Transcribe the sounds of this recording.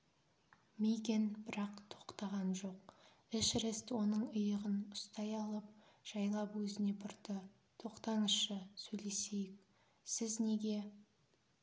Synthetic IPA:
mejkʲe̞nbɪɾɑqt̪ʰo̞̥qt̪ɑʁɑnʒo̞q | ɪʃɾest̪wo̞nəɴʊjəʁənʊst̪ɑjɑlˠəp̚ | ʒ̥ɑjlˠɑpwɵzɪne̞pʰʊɾt̪ə | t̪ʰo̞qt̪ɑɴəsʃəsɵjle̞se̞jɪk̚ | sɪzne̞ɡʲe̞

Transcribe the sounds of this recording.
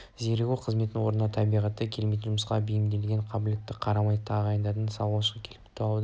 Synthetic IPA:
zeɾɡʲuqʰəzme̞t̪nɪwo̞ɾnənɑt̪ʰɑbijʁɑt̪ːɑkʲʰelmejt̪ɪnʒʊməsqɑ̰bɪjɪmd̪e̞lɡʲeɴqʰɑbule̞t̪ːɪqʰɑɾɑmɑjt̪ʰɑʁɑjənd̪ɑt̪ənsɑlˠwˠɑʃəʁkʲʰe̞lɪpt̪ʰd̪ə

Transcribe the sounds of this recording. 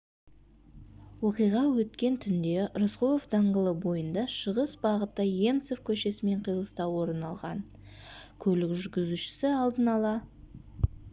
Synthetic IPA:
woqijʁɑwɵt̪kʲe̞nt̪ʰʏnd̪e̞ɾʊsqolˠofd̪ɑɴʁəlˠəbo̞jənd̪ɑʃəʁəsbɑʁət̪ːəje̞mt̪sofkʲʰɵʃe̞sɪme̞ɴqʰijlˠəst̪ɑwwo̞ɾənɑlˠʁɑ̰n | kʲʰɵlɪkʒʏɾɡʲɪzuʃɪ̥sɪɑlˠd̪ənɑlˠɑ

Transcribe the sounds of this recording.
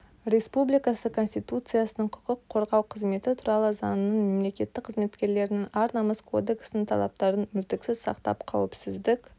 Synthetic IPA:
ɾʲe̞spublijkɑsəkʰo̞nsʲt̪ijt̪ut̪sɨjasənəɴqʰʊ̥qʊqʰːo̞ɾʁɑwqʰəzme̞t̪ɪt̪ʰuɾɑlˠəzɑ̰nnəɴme̞mle̞kʲe̞t̪ːɪk̚qʰːəzme̞t̪kʲe̞ɾle̞ɾɪnɪŋɑɾnɑməskʰo̞̰d̪e̞ksɪnɪŋt̪ʰɑ̰lˠɑ̰p̚t̪ɑɾənmʏlt̪ɪksɪzsɑ̰qt̪ɑ̰pqʰɑ̰wɪpsɪzd̪ɪkʲ

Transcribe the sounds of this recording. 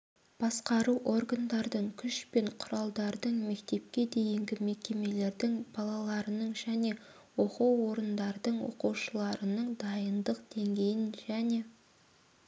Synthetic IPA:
b̥ɑsqɑɾuʔo̞rɡand̪ɑɾd̪əɴkʲʰʏʃpe̞ɴqʰʊɾɑlˠd̪ɑɾd̪əɴme̞kt̪e̞p̚kʲe̞d̪e̞jɪŋɡʲɪme̞kʲe̞me̞le̞ɾd̪ɪŋbɑlˠɑlˠɑɾənəɴʒæne̞ | wo̞quwːo̞ɾənd̪ɑɾd̪əɴwo̰quwʃəlˠɑɾənəɴd̪ɑjənd̪əqd̪̥e̞ŋɡʲe̞jɪnʒæne̞

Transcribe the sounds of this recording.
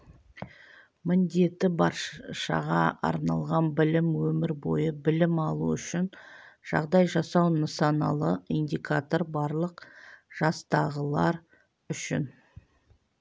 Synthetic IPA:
mɪnd̪e̞t̪ɪbɑɾʃɑ̰ʁɑɑ̰ɾnɑlˠʁɑnbɪlɪmwɵmɪɾbo̞̰jəbɪlɪmɑlˠuʏʃɪnʒ̥ɑ̰ʁd̪ɑjʒɑsɑwnəsɑnɑ̰lˠəind̪ikʰat̪o̞ɾbɑɾlˠəqʒ̥ɑst̪ɑʁəlˠɑɾ | ʏʃɪ̰n

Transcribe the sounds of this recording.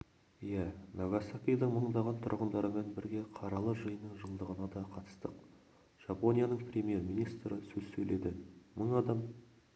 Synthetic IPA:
jænɑɡasakʲijd̪əɴməɴd̪ɑʁɑnt̪ʰʊɾʁənd̪ɑɾəmenbɪɾɡʲe̞qʰɑɾɑlˠəʒəjənəɴʒəlˠd̪əʁənɑd̪ɑqʰɑt̪ə̥st̪əq | ʒ̥ɑpo̞nʲijanəɴprʲe̞mʲje̞rmijnijst̪ɾəsɵzsɵle̞d̪ɪməɴɑd̪ɑm

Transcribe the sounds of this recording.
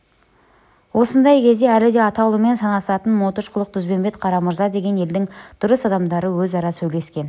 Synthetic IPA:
wo̞sənd̪ɑjkʲʰe̞zd̪e̞ælɪd̪e̞ɑt̪ɑwlˠəme̞nsɑnɑsɑt̪ənmo̞t̪əʃqʰʊlˠəq̚t̪ʰʏzbe̞mbe̞t̪qʰɑɾɑməɾzɑd̪e̞ɡʲe̞ne̞ld̪ɪŋd̪̥ʊɾəsɑd̪ɑmd̪ɑɾəwɵzɑɾɑsɵjle̞skʲe̞n

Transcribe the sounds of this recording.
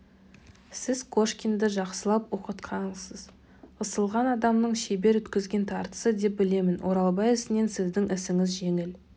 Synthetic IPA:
sɪz̥kʰo̞ʃkʲind̪əʒɑqsəlˠɑpwoqət̪qʰɑɴəzəz | əsəlˠʁɑnɑd̪ɑmnəɴʃebe̞ɾɵt̪kʲɪzɡʲe̞nt̪ʰɑɾt̪ə̥səd̪e̞p̚bɪle̞mɪnwʔo̞ɾɑlˠbɑjɪsɪne̞nsɪzd̪ɪŋʔɪsɪŋɪzʒe̞ŋɪl

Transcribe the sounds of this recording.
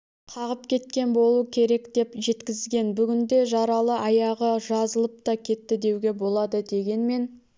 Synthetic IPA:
qʰɑʁəp̚kʲe̞t̪̚kʲe̞nbo̞lˠuəkʲʰe̞ɾe̞kd̪e̞pʒe̞t̪kʲɪzɡʲe̞nbʏɡʲɪnd̪e̞ʒɑɾɑlˠəʔɑjɑʁəʒɑzəlˠəp̚t̪ɑkʲʰe̞t̪ːɪd̪e̞wɡʲe̞bo̞lˠɑd̪əd̪e̞ɡʲe̞nme̞n

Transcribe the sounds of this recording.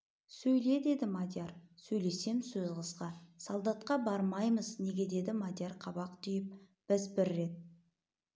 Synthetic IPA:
sɵjle̞d̪e̞d̪ɪmad̪ʲjaɾsɵjle̞se̞mɪsɵzʁəzqɑsɑlˠd̪ɑt̪qɑbɑɾmɑjməzne̞ɡʲe̞d̪e̞d̪ɪmad̪ʲjaɾqʰɑbɑqt̪ʰʏjɪp̚ | b̥ɪzbɪɾːe̞t̪̚

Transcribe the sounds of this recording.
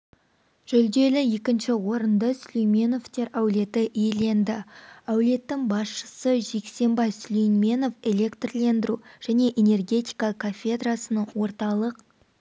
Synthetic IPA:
ʒ̥ɵld̪e̞lɪje̞kʲɪnʃɪwo̞ɾənd̪əsʏlejmʲe̞no̞ft̪e̞ɾæwle̞t̪ɪʔijele̞nd̪ɪæwle̞t̪ːɪŋbɑsʃə̥səʒe̞kse̞mbɑjslijnmʲe̞no̞fe̞lʲe̞kt̪rle̞nd̪ɪɾuʒ̥æne̞ʔene̞rɡʲe̞t̪i̥jkakʰafʲe̞d̪rasənəɴwo̞ɾt̪ɑlˠəq

